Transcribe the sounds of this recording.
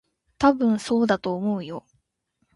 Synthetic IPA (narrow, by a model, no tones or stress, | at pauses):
t̪abɯ̟̃ɰ̃so̞ːd̪at̪o̞ːmo̞ɯ̟jo̞